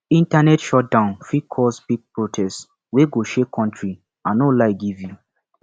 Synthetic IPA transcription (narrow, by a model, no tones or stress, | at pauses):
ĩntanɛtʃɔt̚dãʊ̃nfikʰɔsbiɡ̚pɹotʰɛst | weɡoʃekʰːɔ̃ntɹi | ãnolaɪɡivju